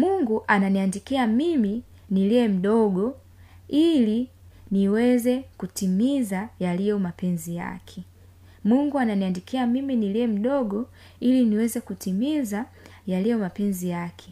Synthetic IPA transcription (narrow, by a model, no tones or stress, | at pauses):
muŋɡuʔananiandikiamimi | niliɛm̩ɗɔɡɔ | ili | niwɛzɛkutimizajalijɔmapɛnzija̰kʰɛ | muŋɡuananiandikiamiminiliɛm̩ɗɔɡɔ | iliniwɛzɛkutimiza | jalijɔmapɛnzijakʰɛ̥